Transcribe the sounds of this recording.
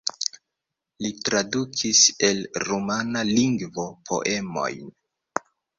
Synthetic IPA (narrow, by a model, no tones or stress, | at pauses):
litɾadukʰise̞lɾumanaliŋɡvo̞pʰo̞̰ʔe̞mo̞̰jn